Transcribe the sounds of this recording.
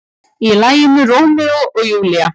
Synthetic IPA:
ilaːjɪnʏrowmɛɔɔɣjuːlia

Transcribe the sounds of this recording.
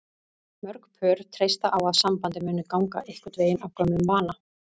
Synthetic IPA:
mœɾkpʰœːɾt̪ʰɾejst̪aʔawaðsampant̪ɪmʏːnːʏkawŋka̰ʔehkʏt̪veːjɪnavkœmʏmvaːna

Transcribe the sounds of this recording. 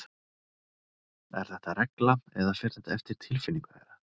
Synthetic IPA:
ɛ̰ɾ̥θɛht̪arɛklaɛðafɛɾ̥θɛht̪aɛft̪ɪɾ̥t̪ʰɪlfɪnːiŋkḛjɾa

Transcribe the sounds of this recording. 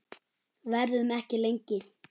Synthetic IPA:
vɛɾðʏmɛhcɪlejɲcɪ

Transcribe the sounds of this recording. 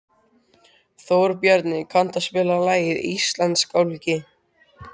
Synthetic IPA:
θoːwɾpjœɾt̪nɪkʰan̥t̪aspɛːlalaːjɪðist̪lant̪skawlicɪ

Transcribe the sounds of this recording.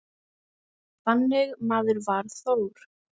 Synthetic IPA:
θanːɪɣmaːðʏɾvaɾ̥θowɾ̥

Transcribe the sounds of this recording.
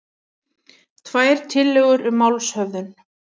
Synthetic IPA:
t̪ʰvaːjɾ̥t̪ʰɪlːɛɣʏɾʔʏmawlshœvðʏn

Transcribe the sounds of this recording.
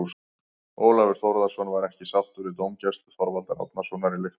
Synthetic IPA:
s | oːwlavɪɾ̥θɔwɾðasvɔnvaɾɛhcɪsaw̥t̪ʏɾɪt̪owmcɛst̪ʏθɔɾvalt̪aɾa̰t̪nasvɔnaɾɪlɪx

